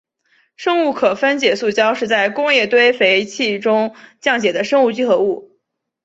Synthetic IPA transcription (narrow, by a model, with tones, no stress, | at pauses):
ʂɤ˥ŋu˥˩kʰɤ˨˩fə˥nt͡ɕjɛ˨˩su˥˩t͡ɕjɑ˥ʊʂɻ̩˥˧t͡sa˥˩ɪkʊ˥ŋjɛ˥˩t̪we˥ɪfe˧˥ɪt͡ɕʰi˥˩ʈ͡ʂʊ˥ŋt͡ɕjɑ˥˩ŋt͡ɕjɛ˨˩d̪ə˦ʂɤ˥ŋu˥˧t͡ɕi˥xɤ˧˥u˥˩